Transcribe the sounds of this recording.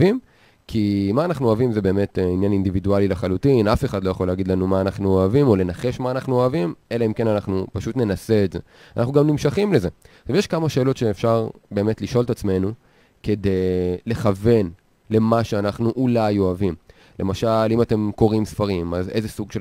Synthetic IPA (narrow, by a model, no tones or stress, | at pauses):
im | kʰimaːnaχnuoavimzebe̞ːme̞tinjanindividualilaχalutinafe̞χad̪lo̞jaχo̞leaɡid̪lanumaːnaχnuoavimo̞le̞naχe̞ʃmaːnaχnuoavimʔe̞laimke̞nanaχnupaʃutne̞nase̞ːtze̞ | anaχnuɡamnimʃaχimleze̞ | ʃavjeʃkamaʃe̞ːlo̞tʃeːfʃaʁbe̞ːme̞tliʃo̞ltat͡sme̞nu | ke̞de̞jle̞χave̞n | le̞maʃeanaχnuʔulajo̞avim | le̞maʃalimate̞mko̞ʁimsfaʁimaze̞jze̞suɡʃe